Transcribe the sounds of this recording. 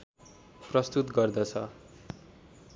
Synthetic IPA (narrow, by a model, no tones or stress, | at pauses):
prʌst̪ut̪ɡʌrd̪ʌt͡sʰʌ̰